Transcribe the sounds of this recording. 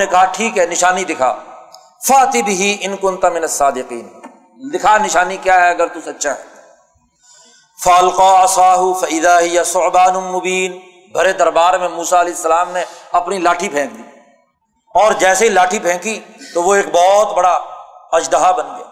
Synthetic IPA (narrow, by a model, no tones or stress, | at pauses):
nekɐɦaʈʰiːkɦɛnɪʃaːnid̪ɪkʰa̰ː | faːt̪ibɪɦiʔɪnkʊ̃nt̪mɪnɐsːaːd̪ɪqiːn | d̪ɪkʰanɪʃaːnikjaːɦɛɐɡəɾt̪usɐtːʃaɦɛ̰ː | fɐɐlqaːɐsaːɦʊfɐʔɪðaːɦɪjasʊʕbaːnʊmʊbiːn | bʱɐɾed̪ɐɾbaːɾmẽmuːsaɐleːɪsːəlaːmneɐpnilaːʈʰipʰɛ̃ːk̚d̪iː | ɔːɾd͡ʒɛːseɦilaːʈʰipʰɛ̃ːkit̪oʋoeːk̚bɔːt̪bɐɽaɐd͡ʒd̪əɦabɐnɡɪjaː